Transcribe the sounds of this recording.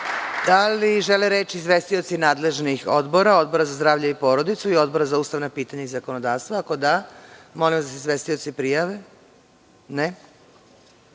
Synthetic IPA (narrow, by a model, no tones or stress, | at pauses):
d̪̥aliʒeleɾeːt͡ʃiːzʋest̪io̞t̪sinaːd̪le̞ʒnixo̞̰d̪bo̞ɾao̞d̪̚bo̞ɾazazd̪ɾaːvʎaipo̞ɾo̞d̪it̪suio̞d̪̚bo̞ɾazauːst̪aʋnapiːt̪aɲaizako̞no̞d̪aːʋst̪ʋako̞d̪amo̞limad̪aseizʋest̪iot̪sipɾijaʋe | ne